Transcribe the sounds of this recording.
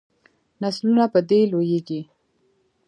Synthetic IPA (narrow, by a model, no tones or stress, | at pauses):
naslunapəd̪elojeɡi